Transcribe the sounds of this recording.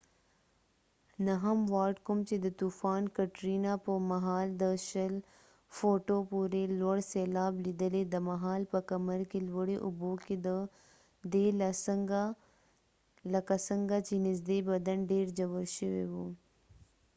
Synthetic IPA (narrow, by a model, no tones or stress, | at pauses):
naɦamwɑːʈkʊmt͡ʃed̪ət̪ufɑːnkaʈɾinapəmaɦɑːld̪əʃəl | foʈopuɾelwaɽselɑːblid̪əled̪əmaɦɑːlpəkaməɾkelwəɽeʔʊboked̪ə | ɖelaɡ | lakasəŋɡat͡ʃenɪzd̪ebad̪anɖeɾd͡ʒawəlʃəwḛwu